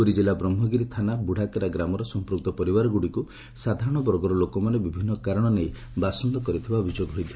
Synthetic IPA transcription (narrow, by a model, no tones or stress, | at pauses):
oɾid͡ʒilabɾɔmɦɔɡiɾit̪ʰanabuɽ̤ʱakeɾaɡɾamɔɾɔsɔmpɾuk̚t̪ɔpɔɾibaɾɔɡuɽiku | sad̪ʱaɾɔɽ̃ɔbɔɾɡɔɾɔlokɔmanebibʱinːɔkaɾɔɽ̃ɔnej | basɔnd̪ɔkɔɾit̪ʰibabʱid͡ʒoɡɦojd̪i